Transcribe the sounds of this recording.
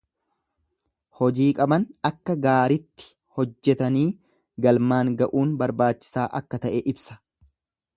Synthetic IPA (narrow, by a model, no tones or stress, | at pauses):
hɔd͡ʒiːkʼɐbɐnɐkːɐɡaːɾɪt̪ːɪ̥ | hɔd͡ʒːɛt̪ɐniː | ɡɐlmaːŋɡɐʔuːnbɐɾbaːt͡ʃːɪ̥saːʔɐkːɐt̪ɐʔɛːʔɪbsɐ̥